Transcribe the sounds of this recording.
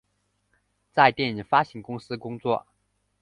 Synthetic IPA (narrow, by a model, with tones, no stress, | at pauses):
t͡sa˥˧ɪt̪jɛ˥˩ni˨˩ŋfa˥ɕi˧˥ŋkʊ˥ŋsɹ̩˥kʊ˥ŋt͡swɔ˥˩